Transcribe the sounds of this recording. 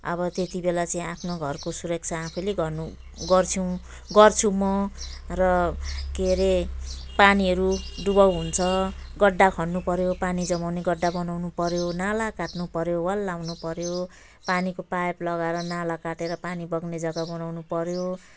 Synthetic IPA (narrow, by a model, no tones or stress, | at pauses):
ʌ̰bʌt̪et̪ibelat͡saĩapʰnoɡʱʌrkosuɾʌk̚t͡sʰaːpʰuleɡʌnu | ɡʌrt͡sʰĩw̃ | ɡʌrt͡sʰumʌrʌkeɾepaniɦʌɾuɖubʌwɦunt͡sʰʌɡʌɖːakʰʌnːupʌɾjopanid͡zʌmawneɡʌɖːabʌnawnupʌɾjonalakaʈnupʌɾjowʌlːawnupʌɾjo | panikopajplʌɡaeɾʌnalakaʈeɾʌpanibʌɡned͡zʌɡabʌnawnupʌɾjo